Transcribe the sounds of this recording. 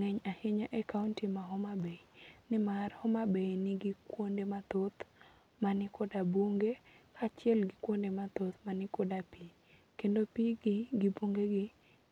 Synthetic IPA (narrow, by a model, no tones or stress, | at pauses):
ŋɛɲahɪɲaʔɛkaʊntimaɦɔmabeinɪmarhɔmabenɪɡɪkwondemat̪ot̪ | manɪkodaboŋɡekʰat͡ʃɪɛlɡɪkwondemat̪ot̪manɪkodapi | kendopiɡɪɡɪboŋɡeɡɪ